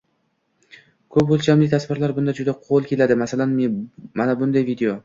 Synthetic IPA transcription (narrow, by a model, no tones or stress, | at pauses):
kʰɵpbolˠt͡ʃamlɪt̪ʰasvɪɾlaɾbʊnd̪ad͡ʒʊd̪aqʰolˠkʲe̞lad̪ɪmasalanmmanabʊnd̪ajvid̪eo